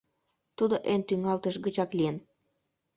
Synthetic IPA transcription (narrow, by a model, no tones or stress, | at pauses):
t̪ud̪oʔent̪yŋɑlt̪əʃɣət͡ɕɑklijən